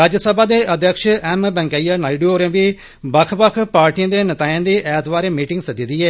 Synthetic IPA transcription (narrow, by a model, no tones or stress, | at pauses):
ɾaːd͡ʒsəbaːd̪eːʔəd̪jəkʃɛːmbɛ̃ːŋkaːiːaːnaːiɖoːɾẽːʋiː | bəkʰbəkʰpaːɾʈijãːd̪eːnət̪aːjãːd̪iːʔɛːt̪ʋaːɾẽːmiːʈɪ̃ŋɡsəd̪iːd̪iːɛː